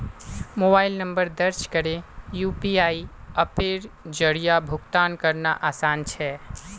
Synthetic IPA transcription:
mobailnəmbəɾd̪əɾt͡ʃʰkəɾejupiaiəpeɾd͡ʒəɽijabʱukt̪ankəɾnaʔasant͡ʃʰɛ

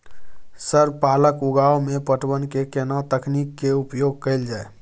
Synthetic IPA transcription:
səɾpaləkuɡaomepəʈbənkekenat̪əkʰnikːeupjoɡ̚kəld͡ʒae

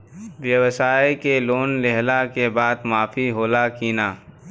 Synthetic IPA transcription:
wjəwsaːekeloːnleɦlakebaːd̪maːfʰiɦoːlakiːnaː

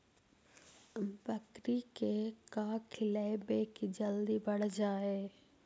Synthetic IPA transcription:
bɐkɾikekaːkʰɪlaɪbeːkid͡ʒɐld̪ibɐɽ̤d͡ʒaːeː

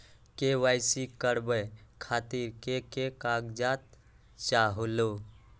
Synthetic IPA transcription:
keʋaɪsikəɾbəkʰaːt̪iɾkekekaɡd͡ʒat̪̚ | t͡ʃaɦolo

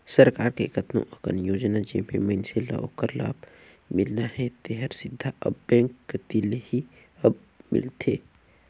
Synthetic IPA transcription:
sɐɾkaːɾkḛkɐt̪nõ̰ʔɐkə̰njoːd͡ʒnad͡ʒḛmḛ̃məɪnsela̰ʔo̰kəɾla̰ːb | mɪlnahɛt̪ɛɦəɾsɪd̪ʱːaʔɐ̰bːɛ̃ːŋkːt̪ilehi | ɐb̚ | mɪ̰lt̪ʰeː

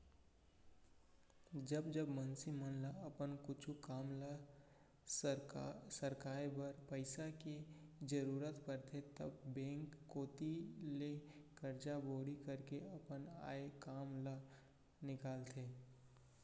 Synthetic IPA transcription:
d͡ʒɐbd͡ʒəbmənsimənlaɐpənkʊt͡ʃʰukaːmla | səɾkaːɾbəɾpəɪsaked͡ʒəɾuːɾət̪pɐɾt̪ʰet̪ɐ̰bbɛ̃ːŋkːoːt̪ilekɐɾd͡ʒaboːɽikɐɾkeɐpəna̰ːekaːmla | nɪkaːlt̪ʰeː

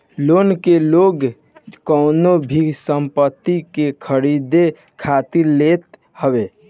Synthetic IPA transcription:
lonkeloɡ | kəʊnobʱisəmpət̪ːikekʰəɾid̪e | kʰat̪iɾlet̪ | həbe

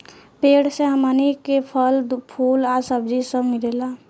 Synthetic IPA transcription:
peɽsẽɦəmənikepʰəlpʰulasəb̚d͡ʒisə̃miɾela

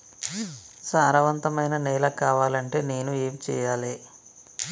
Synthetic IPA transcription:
saːɾɐʋɐnt̪ɐmɐjnɐnɛːlɐkaːʋaːlɐɳʈe̞ːne̞ːnueːmit͡ʃɛ̰ːjaːleː

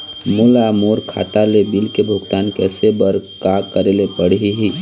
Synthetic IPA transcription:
mulamoːɾkʰa̰ːt̪alebɪlkebʱʊɡt̪aːnkɛːsebəɾkakəɾelepəɽ̤ɦiɦi

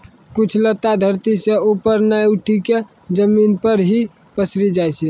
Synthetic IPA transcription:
kut͡ʃʰlət̪ːad̪ʱəɾt̪iseupəɾnajuʈʰike | d͡ʒəminpəɾɦi | pəsɾid͡ʒajt͡ʃʰɛ

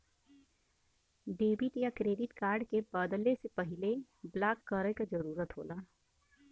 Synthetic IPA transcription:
ɖeːbɪʈ̪jakɾeːɖɪʈkaːɾɖkebəːd̪əlesepɐɦɪle | blaːkːəɾəjkad͡ʒɐɾuːɾət̪ɦo̰ːlaː

